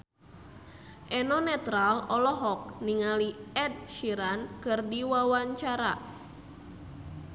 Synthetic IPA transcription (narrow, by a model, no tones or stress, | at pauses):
ʔɛnɔnɛt̪ɾalɔlɔɦɔk̚niŋaliɛd̚ʃiɾankɨrdiwawaɲt͡ʃaɾa